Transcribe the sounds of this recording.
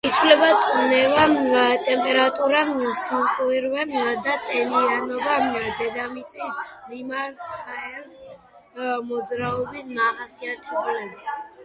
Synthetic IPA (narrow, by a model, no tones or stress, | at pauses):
it̪sʰwlɛbat̪sʼnɛvat̪ʼɛmpʼɛɾat̪ʼuɾasmɔqʼwiɾvɛd̪at̪ʼɛnianɔbad̪ɛd̪amit̪sʼisɾimaɾhaɛɾs | mɔd̪zɾaɔbismaʁasiat̪ʰiɔlɛbi